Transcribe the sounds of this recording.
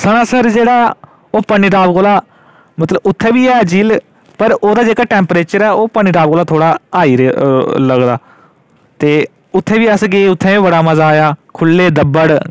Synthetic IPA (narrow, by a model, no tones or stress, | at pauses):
səɽ̃ãːsəɾd͡ʒeːɽaː | oːpəniːʈaːbkoːlaː | mət̪ləbʊt̪ʰːɛ̃ːʋiːɛd͡ʒiːl | pəɾoːd̪aːd͡ʒeːkaːʈɛːmpɾeːt͡ʃəɾɛːoːpəniːʈaːb̚koːlaːt̪ʰoːɽaːaːiːɾeləɡd̪aː | t̪eː | ʊt̪ʰːẽːʋiːəsɡeːʊt̪ʰːɛ̃ːĩːbəɽaːməzaːjaːkʰʊlːeːd̪əbːəɽ